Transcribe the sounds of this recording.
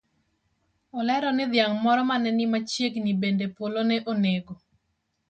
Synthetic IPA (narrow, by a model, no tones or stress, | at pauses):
ɔlɛɾɔnɪd̪jaŋmɔɾɔmanɛnɪmat͡ʃjeɡnibendepolonɛʔoneɡo